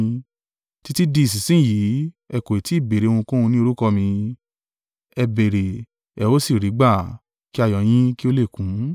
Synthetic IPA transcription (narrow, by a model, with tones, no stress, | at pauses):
ti˦ti˦di˧˦i˨s̬i˨sĩ˦˨ji˨˦ | ɛ˧˨ko˨i˨ti˨˦i˦˨be˨ɾe˨o˧ũ˧kũ˦ũ˧nĩ˦o˧ɾu˦kɔ˧mĩ˧ | ɛ˧be˨ɾe˨ | ɛ˨˧o˦si˦˨ɾi˨˦ɡ͡ba˦˨ | ki˦a˦˨jɔ̃˨˦j̃ĩ˦ki˦o˦le˦˨kũ˨˦